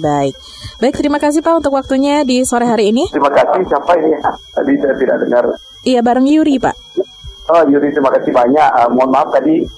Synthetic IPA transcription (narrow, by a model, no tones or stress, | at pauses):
baɪk̚ | baɪk̚t̪əɾimakas̬ihpaʔunt̪ʊkwak̚t̪uɲadisoɾɛɦaɾiːniɾimakasɪhsiapainijat̪adidat̪ida̰ʔ̚dəŋər | ijabaɾaŋjuɾipa̰ʔ | ɔjuɾit̪əɾimakasɪbaɲaʔəmɔnmap̚t̪adi